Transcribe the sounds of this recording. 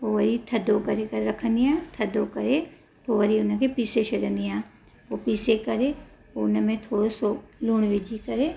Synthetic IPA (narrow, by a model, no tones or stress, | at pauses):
oʋɐɾit̪ʰɐd̪okɐɾekɐɾɾɐkʰə̃nd̪ijãːt̪ʰɐd̪okɐɾe | oʋɐɾiʊnə̃kepiːseʃəɾə̃nd̪ijãː | ʋopiːsekɐɾeː | onə̃mẽt̪ʰoːɽosoluːɽʋɪd͡ʒʱikɐɾeː